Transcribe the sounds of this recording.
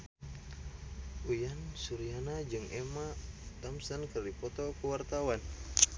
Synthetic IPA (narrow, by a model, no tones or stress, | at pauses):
ʔujansuɾianad͡ʒɨŋɛmat̪amsankərdipɔt̪ɔkəwart̪awan